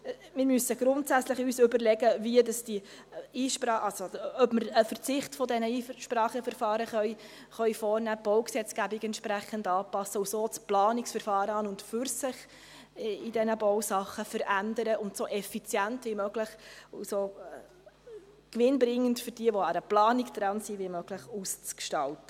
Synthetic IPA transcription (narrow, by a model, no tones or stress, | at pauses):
mɪɾmysəɡ̥ɾʊntsæt͡sləχyːsʏbəɾlɛɡəviədɑsd̥iiːʃpɑʔɑsoœbməɾəfəɾt͡sɪχtfɔdɛnəiːʃpɾɑːχəfəɾfɑːɾəχœj | χœɥfɔːɾnæːb̥ɔwksɛt͡sɡ̥æbiɡɛnt̪ʃpɾæχəndɑːpɑsəusoːt͡splɑːnɪksfəɾfɑːɾəɑːnʊntfʏɾsɪχ | idɛnəbɔwsɑχːəfəɾʔændəɾəʊntsoːʔɛfit͡sjæntʋiːmøɡləχuso | kʋɪnbɾɪŋːəntfʏɾd̥iəʋɔɑɾəplɑːnikd̥̪ɾɑnsiʋiːmøɡ̥ləχuːst͡skʃtɑltə̥